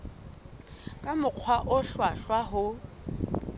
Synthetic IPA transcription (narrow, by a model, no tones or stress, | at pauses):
kʼamʊq͡χʰwaʔʊɬwaɬwaɦʊ